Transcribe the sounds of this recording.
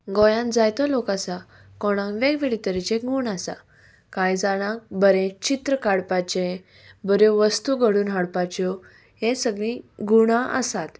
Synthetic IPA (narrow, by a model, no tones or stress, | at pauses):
ɡɔjãnd͡zajt̪ɔlokasa | kɔɽ̃ãŋʋeɡʋeɭit̪əɾit͡ɕẽɡuɳasa | kãjd͡zaɽ̃ãk̚bəɾẽt͡ɕit̪ɾəkaɽpat͡ɕẽ | bəɾẽʋəst̪uɡəɽuːnɦaɽpat͡ɕɔ | ɦẽsəɡɭĩɡuɽ̃ãʔə̰sat̪